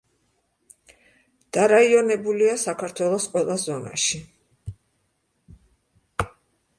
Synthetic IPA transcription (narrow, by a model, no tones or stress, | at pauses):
d̪̥aɾaiɔnɛbuliasakʰaɾt̪ʰwɛlˠɔsqʼwɛlˠazɔna̰ʃi